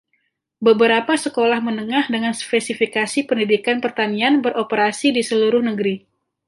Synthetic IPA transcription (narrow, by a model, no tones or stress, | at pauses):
bəbəɾapasəkolahmənəŋahdəŋanspɛsifikasipəndidikanpərt̪anianbəɾʔopəɾasidisəluɾʊhnəɡəɾi